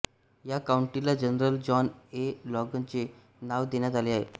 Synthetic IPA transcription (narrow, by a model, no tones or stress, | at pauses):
jakauɳʈilad͡ʑənɾəld͡ʑɔnelɔɡənt͡ɕe | naʋd̪enjat̪aleaɦḛ